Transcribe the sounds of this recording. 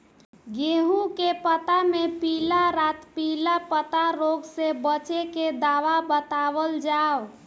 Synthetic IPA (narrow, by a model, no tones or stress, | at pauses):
ɡeɦũkepət̪amepilaɾat̪pilapət̪aɾoɡsebət͡ʃeked̪aʋabət̪abəld͡ʒaw